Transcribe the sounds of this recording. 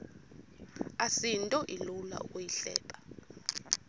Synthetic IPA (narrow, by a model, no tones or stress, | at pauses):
asintʼɔʔilula̰ṵkʼujiɬɛ̰ːpʼḁ